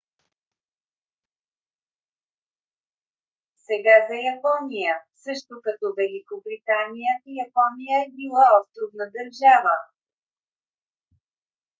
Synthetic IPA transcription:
sɛɡazɐjɐpɔnijəsɤʃt̪ʊkɐt̪ɔvɛlikobɾit̪anijəjɐpɔnijəɛbilˠaɔst̪ɾʊvnəd̪əɾʒavə

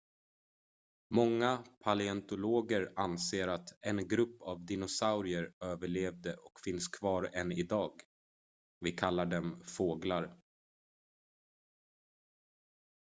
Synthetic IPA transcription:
mɔŋːapʰalɪɛnt̪ʊloːɡəɾanseːɾat̪ɛnɡɾɵpːavd̪ɪnʊsaʊɾɪəɾøːvəɭeːvd̪əʔɔkfɪnskʰvɑːɾɛnɪd̪ɑːɡ | vɪkʰalːaɖɛmfoːɡlaɾ

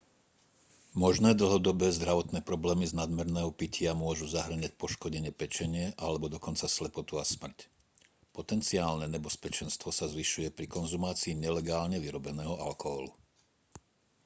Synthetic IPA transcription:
mɔʒnɛːd̪l̩ˠɦɔd̪ɔbɛːzd̪ɾaʋɔt̪nɛːpɾɔblɛːmiznad̪mɛɾnɛːɦɔpicɪamʊɔʒuzaɦr̩ɲac̚pɔʃkɔɟɛɲɪɛpɛt͡ʃɛɲɪɛʔalɛbɔd̪ɔkɔnt͡saslɛpɔt̪uasmr̩c | pɔt̪ɛnt͡siaːlnɛɲɛbɛspɛt͡ʃɛnst̪ʋɔsazʋiʃujɛpɾikɔnzumaːt͡siːɲɛlɛɡaːlɲɛʋiɾɔbɛnɛːɦɔʔalkɔɦɔlṵ

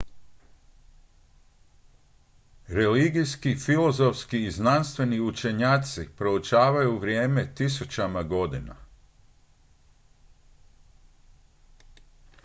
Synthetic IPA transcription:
ɾe̞liɡijskifilo̞zo̞fskiːznanst̪ʋe̞niut͡ʃe̞ɲaːt̪sipɾo̞ut͡ʃaːʋajuʋɾje̞ːme̞t̪isut͡ʃamaɡo̞d̪ina̰

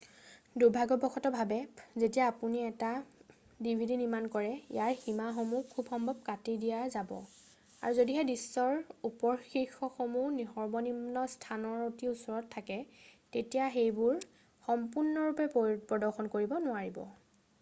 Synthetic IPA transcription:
duɹbʱaɡɔbɔxʰɔtɔbʱabɛzetijaːpuniɛta | dibʱidinimankɔɹɛjaɹximaxomukʰːubxɔmbʱɔb̚katidijazabɔ̰ | a̰ɹuzodiɦɛdisːɔɹupɔɹxixɔxomunixɔɹbɔnimnɔstʰanɔɹotiusɔɹɔtʰːakɛtetijaxejbʊɹ | xɔmpuɹnɔɹupɛpɹɔdɔɹxɔnkoɹibɔnʊwaɹibɔ̰

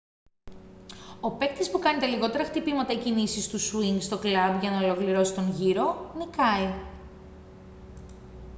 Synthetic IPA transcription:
o̞pek̚t̪ispukɐnit̪ɐliɣo̞t̪e̞ɾɐxt̪ipimɐt̪ɐicinisist̪usuiŋɡst̪o̞klɐbʝɐnɐolo̞kliɾo̞si̥t̪o̞ŋʝiɾo̞nikɐi

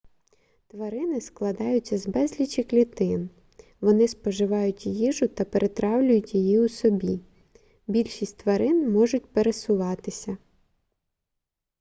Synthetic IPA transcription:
t̪ʋɐɾɪnɪsklˠɐd̪ɑjʊt͡sʲːɐzbɛzʲlʲit͡ʃɪklʲit̪ɪn | ʋɔnɪspɔʒɪʋɑjʊtʲjiʒʊt̪ɐpeɾʔet̪ɾʔɑwlʲʊjʊtʲjijiusɔbʲi | bʲilʲʃisʲtʲt̪ʋɐɾɪnmɔʒʊtʲpeɾesʊʋɑt̪ɪsʲɐ

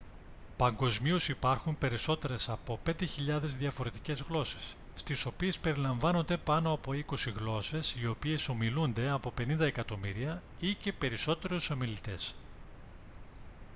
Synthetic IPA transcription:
pɐŋɡo̞zmiosipɐɾxumpe̞ɾiso̞t̪e̞ɾe̞sɐpo̞pe̞nd̪e̞çiʎɐðe̞zðiɐfo̞ɾe̞t̪ice̞zɣlo̞se̞̥sː | t̪iso̞pie̞spe̞ɾilɐɱvɐno̞nd̪e̞pɐno̞ɐpo̞iko̞siɣlo̞se̞sio̞pie̞so̞milund̪e̞ɐpo̞pe̞nind̪ɐekɐt̪o̞miɾiɐ | ice̞pe̞ɾiso̞t̪e̞ɾuso̞milit̪e̞s

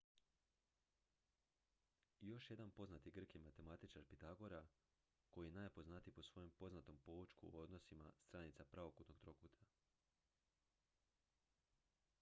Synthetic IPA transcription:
jo̞ʃje̞d̪anpo̞znat̪iɡr̩kimat̪e̞mat̪it͡ʃaɾpit̪aɡo̞ɾa | ko̞jijenaːjpo̞znat̪ijpo̞sʋo̞jo̞mpo̞znat̪o̞mpo̞ut͡ʃkuo̞d̪no̞sima̰st̪ɾaːnit̪sapɾaʋo̞kut̪no̞ɡ̥t̪ɾo̞kut̪ʰḁ

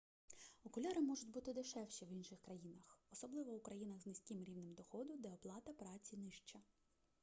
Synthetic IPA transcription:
ɔkʊlʲɛɾɪmɔʒʊtʲbut̪ɪd̪ɪʃɛwʃiʋinʃɪxkɾɐjinɐxɔsɔblˠɪʋɔʊkɾɐjinɐɣznɪsʲkʲimɾʲiwnɪmd̪ɔxɔd̪ʊd̪ɛɔplˠɑt̪ɐpɾɑt͡sʲinɪʃt͡ʃɐ

